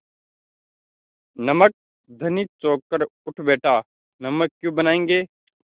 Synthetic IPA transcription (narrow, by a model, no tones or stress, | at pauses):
nəmək̚ | d̪ʱəniːt͡ʃoːkːəɾʊʈʰbeːʈʰaː | nəməkːjũːbənaːẽːŋɡeː